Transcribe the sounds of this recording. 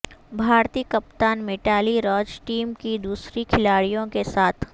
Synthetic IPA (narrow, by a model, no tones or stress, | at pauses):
bʱaːɾt̪iːkɐpt̪aːnmɪʈaːliɾɔːd͡ʒʈiːmkid̪uːsɾikʰɪlaːɽijõkesaːt̪ʰ